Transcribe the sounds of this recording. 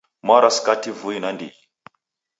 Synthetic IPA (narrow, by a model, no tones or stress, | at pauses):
maɾaskativuinandḭ